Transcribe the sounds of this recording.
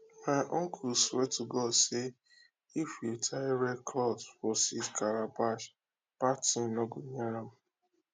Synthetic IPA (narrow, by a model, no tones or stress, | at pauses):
maɪʔɔŋkʰulswetuɡɔdse | ifjiltʰaɾɛkʰlɔdfɔsitkʰaɾabaʃ | patĩnɔɡuɲaam̩